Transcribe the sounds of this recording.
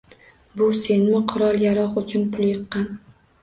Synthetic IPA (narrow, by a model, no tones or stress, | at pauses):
bʊse̞nmɪqʰʊɾɒlˠjaɾɒqʊt͡ʃʰʊnpʰʊlˠjɨqːɑn